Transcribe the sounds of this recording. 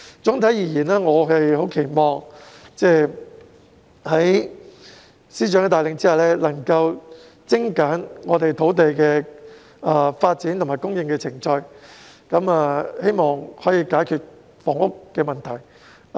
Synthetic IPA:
t͡sʊ˨˥ŋt̪ʰɐ˨˥jiː˨˩jiː˨˩naː˥ŋɔː˨˧ɦɐ˨jho˨˥wkʰe˨˩jmɔː˨ŋt͡sɛː˥˧ | hɐ˨˥j | siː˥t͡ʃœː˨˥ŋɛ˧t̪aː˨˩lɪ˨ŋt͡siː˥hɐ˨wlɛː˥lɐ˨˩ŋkɐ˧w | t͡sɪ˥ŋkaː˨˥nŋɔː˨˧t̪e˨jt̪ʰo˨˥wt̪e˨jkɛː˧ | aː˧˩faː˧t̚t͡siː˨˥nt̪ʊ˨˩maː˨˩kʊ˥ŋjɪ˧ŋkɛ˧t͡sʰɪ˨˩ŋt͡ʃɔː˧jkɐ˨˥mɐ˨˧he˥jmɔː˨ŋhɔː˨˥jiː˧kaː˨˥jkʰyː˨˧t̚ | fɔː˨˩ŋʊ˥kːɛː˧mɐ˨nt̪ʰɐ˨˩j

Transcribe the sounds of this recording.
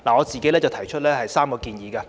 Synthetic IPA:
laː˨ŋɔː˨˧t͡siː˨ke˦˥jlɛː˥t͡sɐ˨wt̪ʰɐ˨˩jt͡ʃʰɵ˥t̚lɛː˥hɐ˨jsaː˥mkɔː˧kiː˨˧njiː˨˧kaː˧

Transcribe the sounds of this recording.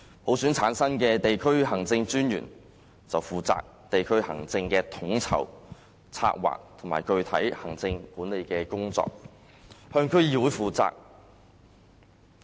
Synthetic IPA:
pʰo˨˥wsyː˨˥nt͡sʰaː˨˥nsɐ˥nkɛː˧t̪e˨jkʰɵ˥ɥhɐ˨˩ŋt͡sɪ˧ŋt͡syː˥njy̰ː˨˩n | t͡sɐ˨wfuː˨t͡sa̰ː˧k̚t̪e˨jkʰɵ˥ɥhɐ̰˨˩ŋt͡sɪ˧ŋkɛː˧t̪ʰʊ˨˧˥ŋt͡sʰɐ̰˨˩w | t͡sʰa̰ː˧k̚wa̰ː˨k̚t̪ʰʊ˨˩maː˨˩jkɵ˧ɥt̪ʰɐ˨˥jhɐ˨˩ŋt͡sɪ˧ŋkuː˨˥ne˨˧jkɛː˧kʊ˥ŋt͡sɔ̰ː˧k̚ | hœː˧ŋkʰɵ˥ɥjiː˨˧wuː˨˥jfuː˨t͡sa̰ː˧k̚

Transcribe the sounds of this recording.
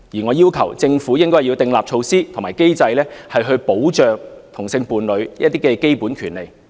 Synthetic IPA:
jiː˨˩ŋɔː˨˧jiː˥wkʰɐ˨˩wt͡sɪ˧ŋfuː˨˥jɪ˥ŋkɔː˥ji˧wt̪ɪ˧ŋlaː˨p̚t͡ʃʰo˧wsiː˥t̪ʰʊ˨˩ŋmaː˨˩jke˥jt͡sɐ˧jlɛː˥hɐ˨jɦɵ˧ɥpo˨˥wt͡ʃœː˨ŋt̪ʰʊ˨˩ŋsɪ˧ŋpuː˨nlɵ˨˧ɥ̚t̪iː˥kɛː˧ke˥jpuː˨˥nkʰyː˨˩nle˨˩j

